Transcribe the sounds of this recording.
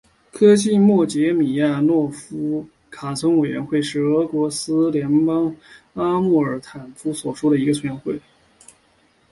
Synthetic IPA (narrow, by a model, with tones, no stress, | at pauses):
kʰɤ˥ɕi˥˩mwɔ˥˩t͡ɕjɛ˧˥mi˨˩ja˥˧nwɔ˥˩fu˥ | kʰa˨˩t͡sʰɤ˧˥ŋwe˨˩ɪɥɛ̰˧˥nxwe˥˧ɪʂɻ̩˥˩ɤ˧˥kwɔ˧˥sɹ̩˥ljɛ˧˥npɑ˥ŋ | a˥mu˥˩ə˞˧˥t̪ʰa˨˩nfu˥swɔ˨˩ʂu˥ɾə˨i˧˥ɡə˧t͡ɕʰnxwe˥˩ɪ